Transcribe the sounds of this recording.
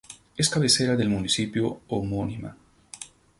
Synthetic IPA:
eskaβeseɾaðelmunisipjoomonima̰

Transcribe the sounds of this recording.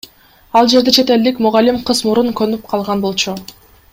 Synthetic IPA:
ɑlˠd͡ʒe̞ɾd̪et͡ʃʰe̞t̪e̞ld̪ikmuʁɑlimqʰɯzmuɾuŋkønyp̚qʰɑlˠʁɑnbo̞lˠt͡ʃu

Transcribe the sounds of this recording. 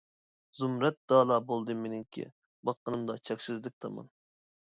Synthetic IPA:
zumɾɛt̪̚d̪ɑːlˠɑːbolˠd̪ɨmenɪŋkʲʰḭ | bɑqːənɨmd̪ɑt͡ʃʰɛkʲsɪzlɪk̚ʲt̪ʰɑ̰mɑ̰n

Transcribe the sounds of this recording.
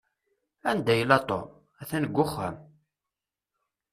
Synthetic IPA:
ænd̪æjəlɑt̪ˤo̰ | æθænəɡʷːʊχːə̰m

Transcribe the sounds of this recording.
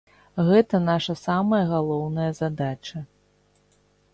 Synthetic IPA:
ɣɛt̪ɐnaʂɐsamɐjɐɣalˠɔwnɐjɐzad̪at͡ʃɐ

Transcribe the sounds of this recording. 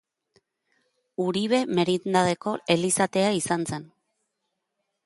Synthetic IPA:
uɾiβe̞me̞ɾind̪að̞e̞ko̞e̞lisat̪e̞aisanse̞n

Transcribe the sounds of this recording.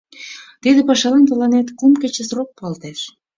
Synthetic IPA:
t̪id̪ĕpɑʃɑlɑnt̪ə̆lɑnet̪kumkĕt͡ɕĕsrok̚pɑlt̪eʃ

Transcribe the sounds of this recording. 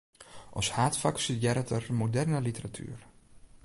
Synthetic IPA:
ʔɔshaːtfaksitjɛɾətʰərmodɛrnəlitəratʰy̰ːr

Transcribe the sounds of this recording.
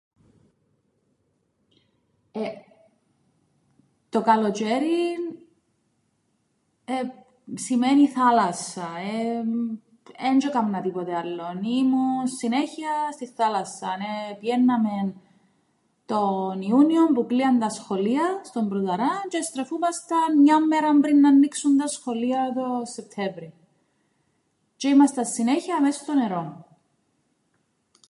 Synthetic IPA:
e | t̪o̞kɐlo̞t͡ʃeɾin | e | simeniθɐlɐsɐe | end͡ʒokɐmnɐt̪ipot̪eɐlːonimunsineçiɐst̪iθːalɐsːɐnepiʝenːɐmen | t̪o̞niuniompukliɐnd̪ɐsxo̞liɐst̪o̞mbɾuðɐɾɐt͡ʃest̪ɾefumɐst̪ɐɲɐmːeɾɐmbɾinːɐnːiksund̪ɐsxo̞liɐt̪o̞sːe̞p̚t̪ʰevɾi | t͡ʃeimɐst̪ɐsːineçiɐːmeso̥st̪oneɾon

